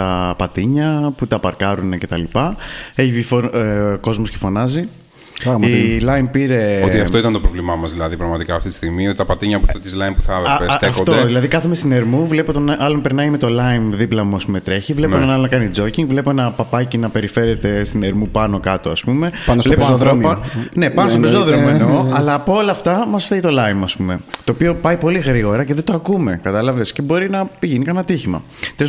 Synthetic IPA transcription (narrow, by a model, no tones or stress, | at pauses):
t̪ɐpɐt̪iɲɐput̪ɐpɐɾkɐɾunece̞t̪ɐlipɐe̞çiifoko̞zmoscefo̞nɐzi | ɾɣilɐinpiɾe̞ot̪iɐt̪oit̪ɐnt̪o̞pɾovlimɐmɐzðilɐðipɾɐɣmɐt̪ikɐːft̪it̪i̥st̪iɣmiot̪it̪ɐpɐt̪iɲɐpuɐt̪izlɐinpuθɐesefoðilɐðikɐθemest̪ine̞ɾmuvle̞pot̪onʔɐlompe̞ɾnɐime̞t̪olɐinðiplɐmuɐspumet̪ɾe̞çivle̞oenɐnɐlonɐkɐnid͡zo̞ciŋɡvle̞poenɐpɐpɐcinɐpe̞ɾife̞ɾe̞t̪e̞st̪ineɾmupɐno̞kɐt̪o̞ɐ̰spume̞pɐnosvleoðɾpɐne̞pɐnostopezoðɾomuenoɐlɐːpoolɐːft̪ɐmɐsfeit̪o̞lɐimɐspume̞t̪o̞ːpio̞pɐipo̞liɣɾiɣo̞ɾɐce̞ðet̪oɐkume̞kɐt̪ɐlɐve̞sce̞bo̞ɾinɐpiʝinikɐnɐt̪içimɐ̰ | t̪ɾes